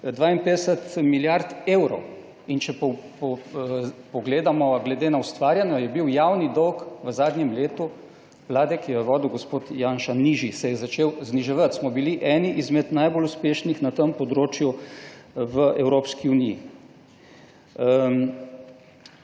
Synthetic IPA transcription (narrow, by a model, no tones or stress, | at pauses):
d̪ʋaːimpeːd̪ɛsət̪miljaɾt̪eːwɾɔw | int͡ʃɛpɔpɔ | pɔɡleːd̪amɔɡlɛd̪eːnaust̪ʋaːɾjanɔjɛbiwjawnid̪ɔwkʋəzaːd̪njɛmleːt̪u | ʋlaːd̪ɛkijɛʋɔːd̪iwɡɔspoːt̪jaːnʃaniʒisɛjɛzat͡ʃeːwzniʒɛʋat̪smɔbiliʔɛːniʔizmɛt̪najboluspeːʃnixnat̪əmpɔd̪ɾoːt͡ʃju | ʋəʔɛwɾoːpskiunijḭ